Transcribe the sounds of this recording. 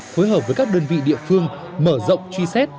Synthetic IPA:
fo˨˦jɦəː˨˩p̚vəː˨˦jkaː˦˥k̚ɗəː˧nvḭ˧˨ɗḭ˧˨əfɨ˧əŋ | məː˧˩zə̰˧˨wŋ͡mt͡ɕwi˧sɛ˦˥t̚

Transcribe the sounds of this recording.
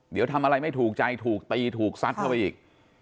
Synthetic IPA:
d̪i˨˩˦wt̪ʰa˧mʔa˧ɾa˧jma˥˩jt̪ʰuː˨˩k̚t͡ɕa˧jt̪ʰuː˨˩k̚t̪iː˧t̪ʰuː˨˩k̚sa˦˥t̪̚kʰa˥˩wpa˧jʔiː˨˩k̚

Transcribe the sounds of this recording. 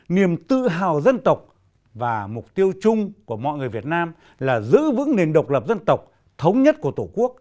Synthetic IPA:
ni˨˩əmt̪ɨ̰˧˨ɦaː˨˩wzə˧nt̪ə˨˩wk͡p̚ | vaː˨˩mʊ˨˩k͡p̚t̪i˧əwt͡ɕʊ˧ŋ͡mku˧˩əmɔ̰˧˨jŋɨ˨˩əjvi˨˩ət̚naː˧m | laː˨˩zɨ̰˧˥vɨ̰˧˥ŋne˨˩nɗə˨˩wk͡p̚lə˨˩p̚zə˧nt̪ə˨˩wk͡p̚ | t̪ʰə˨˦wŋ͡mɲə˦˥t̚ku˧˩ət̪o˧˩ku˦˥ək̚

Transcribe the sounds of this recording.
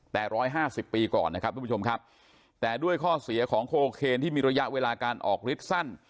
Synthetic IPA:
t̪ɛː˨˩ɾɔː˦˥jɦaː˥˩si˨˩pːiː˧kɔ̰ː˨˩nːa˦˥kʰa˦˥p̪̚ʰːuː˧˦˥o˧mkʰa˦˥p̚ | t̪ɛː˨˩du˥˩əjkʰɔː˥˩si˨˩˦ɐkʰɔː˩˦ŋkʰoː˧kʰeː˧nt̪ʰiː˥˩miː˧ɾa˧ja˦˥ʔweː˧laː˧kaː˧nʔɔ̰ː˨˩k̚ɾi˦˥t̪̚sa˥˩n

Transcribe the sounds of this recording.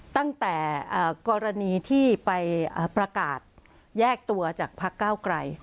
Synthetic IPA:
t̪a˥˩ŋt̪ɛː˨˩ʔəː˨˩kɔː˧ɾa˧niː˧t̪ʰiː˥˩pa˧jʔaː˨˩pɾa˧kaː˨˩t̪̚ | jɛː˥˩k̚t̪u˧ɐt͡ɕaː˨˩k̚pʰa˦˥kːaː˥˩wkɾa˧j

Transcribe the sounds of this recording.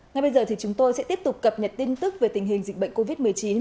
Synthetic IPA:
ŋa˨˩jɓə˧jzəː˨˩t̪ʰi˨˩t͡ɕʊ˨˦ŋ͡mt̪o˧jsɛ̰˧˥t̪i˦˥əp̚t̪ʊ˨˩k͡p̚kə˨˩p̚ɲə˨˩t̚t̪i˧nt̪ɨ˦˥k̚ve˨˩t̪ï˨˩ŋ̟ɦï˨˩ŋ̟zï˨˩k̟̚ɓə̰˧˨ŋ̟ko˧vi˦˥t̚mɨ˨˩əjt͡ɕi˨˦n

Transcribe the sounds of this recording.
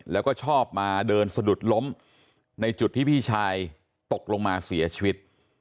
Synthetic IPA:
lɛː˦˥wkɔː˥˩t͡ɕʰɔː˥˩p̚maː˧dɤː˧nsa˧du˨˩t̪̚lo˦˥m | na˧jt͡ɕu˨˩t̪ʰːiː˥˩pʰiː˥˩t͡ɕʰaː˧j | t̪o˨˩k̚lo˧ŋmaː˧si˨˩˦ɐt͡ɕʰiː˧wi˦˥t̪̚

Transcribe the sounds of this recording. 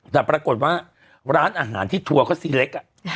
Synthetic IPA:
t̪ɛː˨˩pɾaː˧ko˨˩t̪̚waː˥˩ | ɾaː˦˥nʔaː˧ɦa̰ː˩˦nt̪ʰiː˥˩t̪ʰu˧ɐkʰɔː˥˩siː˧le˦˥k̚ʔa˨˩

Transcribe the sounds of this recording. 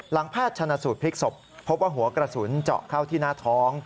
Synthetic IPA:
la˩˦ŋpʰaː˥˩t̪̚t͡ɕʰa˧nːa˧suː˨˩t̪̚pʰi˦˥k̚so˨˩pʰːo˦˥p̚waː˥˩ɦu˩˦ɐkɾa˧suː˩˦nt͡ɕɔ̰˨˩kʰa˥˩wt̪ʰiː˥˩naː˥˩t̪ʰɔː˦˥ŋ

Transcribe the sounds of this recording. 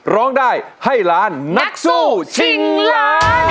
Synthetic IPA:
ɾɔː˦˥ŋdaː˥˩j | ha˥˩jɾaː˦˥nna˦˥k̚suː˥˩t͡ɕʰi˧ŋla˧

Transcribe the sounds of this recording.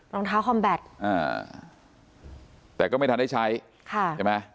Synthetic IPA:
ɾɔː˧ŋt̪ʰaː˦˥wkʰɔ˧mbɛ˨˩t̪̚ʔa̰ː˧˩ | t̪ɛː˨˩kɔː˥˩ma˥˩t̪ʰnda˥˩t͡ɕʰa˦˥j | kʰa˥˩t͡ɕa˧˩ma˦˥

